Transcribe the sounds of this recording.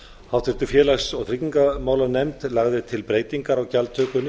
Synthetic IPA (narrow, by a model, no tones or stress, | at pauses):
hawt̪ʰɪɾ̥t̪ʏfjɛːlaxsɔɣθʰɾicːiŋkamaːwlanɛjmt̪laɣðɪt̪ʰɪlpɾeːjt̪iŋkaɾawcalt̪ʰœːkʏnːɪ